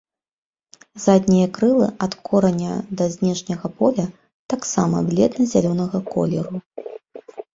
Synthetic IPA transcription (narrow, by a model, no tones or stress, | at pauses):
zad̪ʲnʲijɐkɾɨlˠɨ̰ɐt̪kʰɔɾɐnʲːɐ̰d̪ɐzʲnʲɛʂnʲɐɣɐpɔlʲɐ | t̪aksamɐ̰blʲɛd̪nɨzʲalʲɔnɐɣɐkɔ̰lʲɛɾu